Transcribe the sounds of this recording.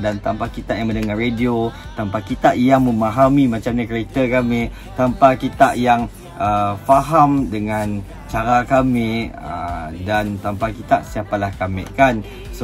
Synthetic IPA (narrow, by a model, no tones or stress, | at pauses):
dant̪ampakit̪aʔjaŋmənəŋarediot̪ampakit̪aʔjaŋmə̃mãɦamĩmãt͡ʃamɲakɾek̚t̪əkame | t̪ampakit̪aʔjaŋ | əfaɦamdəŋãn | t͡ʃaɾakameə̰dant̪ampakit̪aʔsiapalahkamɪ̰̃ʔkan | s